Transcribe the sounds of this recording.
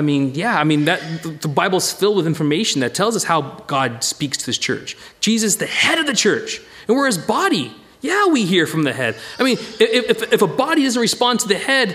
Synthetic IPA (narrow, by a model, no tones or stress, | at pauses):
ɪmĩnjæaɪmĩnðɨt̪̚ðəbaɪbl̩ˠz̥fɪlˠd̚wəðɪ̃ɱfə˞meɪʃn̩ðɨtʰɛlˠzʌshaʊɡ̥ɑd̚spikstʰɨðɪst͡ʃʰɜ̰˞t͡ʃ | d̥ʒ̥izɨszðɨhɛɾʌvðɨt͡ʃʰɜ˞t͡ʃ | ɨ̃nwə˞ɨzbɑɾi | jæwiɦiɹfɹʌ̃mðɨɦɛd̥aɪmĩnɨɪɨfɨfəbɑɾidʌzn̩tɹɨspɑ̃ndtʰɨðɨhɛd